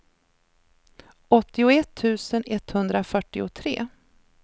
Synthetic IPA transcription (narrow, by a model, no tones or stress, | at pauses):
ɔt̪ːɪʊɛt̪ʰːʉ̟ːsənɛt̪ːhɵnd̪ɾafœʈːɪʊt̪ʰɾḛː